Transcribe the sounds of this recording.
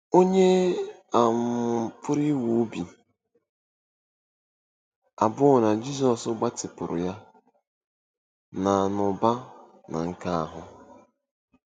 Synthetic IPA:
o˦ɲe˦a˨m̩˨pʰʊ˦ɾi˦wu˨˦bi˨ | a˨bʊ˦ɣʊ˨na˨d͡ʒi˦s̬ɔ˨sʊ˦ɡ͡ba˦tɪ˨pʊ˨ɾʊ̰˨ja˦ | na˨nʊ˨ba˦ | na̰˨ŋ̩˦ka˦a̰˨ɦʊ˦

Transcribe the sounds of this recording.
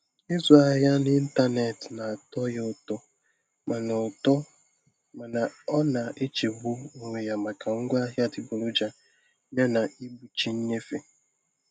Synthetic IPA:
ɪ˦zʊ˨a˨ɦa˦ni˦n̩˦ta˦ne˨tna˨a˨tɔ˦ja˦ʊ˦˨tɔ˦ | ma˨n˨tɔ˦ | ma˨na˨ɔ˦na˨e˦t͡ʃe˨bʊ˦u˨ŋʷe˨ja˨ma˨ka˨ŋ̩˦ɡʷa˦ɦja˦dɪ˨bʊ˨lʊ˦d͡ʒa˦ | ja˦na˨i˦bu˨t͡ʃi˦ɲ̩˦ɲe˦fe˨

